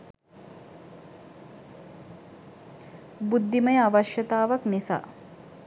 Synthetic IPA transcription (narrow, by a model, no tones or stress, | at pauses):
bud̪ːiməjəaʋaʃjət̪aːʋaknisa̰ː